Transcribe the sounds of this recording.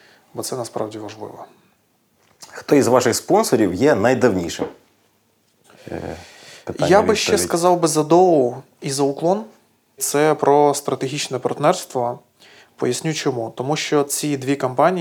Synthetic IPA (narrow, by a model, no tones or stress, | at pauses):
bɔt̪sɛnɐspɾɑ̰wdʲiʋɐʒlˠɪ̰ʋɔ | xt̪ɔizʋɑʃɪxspɔnsɔɾʲiwjɛnɐjd̪ɐwnʲḭʃɪ̰m | pjabɪʃt͡ʃɛskɐzɑwbɪzɐd̪ɔʊ | izɐʊklˠɔn | t̪sɛpɾɔst̪ɾɐt̪eɦʲit͡ʃnɛpɐrt̪nɛrst̪ʋɔ | pɔ̰jɐsʲnʲut͡ʃɔmut̪ɔmuʃt͡ʃɔt͡sʲid̪ʋʲikɐmpɑnʲi